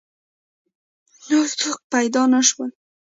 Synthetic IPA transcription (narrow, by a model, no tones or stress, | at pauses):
noɾt̪ʰuk̚pajd̪ɑnaʃwəl